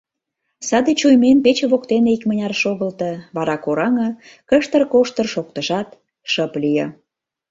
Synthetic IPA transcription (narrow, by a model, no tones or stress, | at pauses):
sɑd̪et͡ɕujmenpet͡ɕeβokt̪eneikmənʲɑrʃoɣəlt̪ɤβɑɾɑkoɾɑŋə̆ | kəʃt̪ərkoʃt̪ə̆rʃok̚t̪ə̆ʒɑt̪ | ʃəplijə